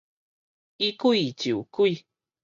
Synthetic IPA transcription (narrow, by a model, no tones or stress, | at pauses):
ikuit͡ɕiukui